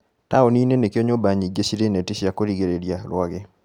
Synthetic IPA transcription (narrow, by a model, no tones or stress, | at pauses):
taoninenekjoɲobaɲid͡ʒesiɾenetɪsjakoɾiɡeɾedjalwaɡɪ